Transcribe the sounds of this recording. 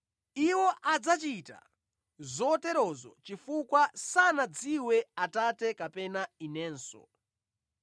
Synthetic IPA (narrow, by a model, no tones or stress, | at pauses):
iwɔʔad͡zat͡ʃita̰ | zɔːtɛɾɔzɔ̰t͡ʃifukwasanad͡ziwɛatatɛkapɛnainɛːnsɔ̰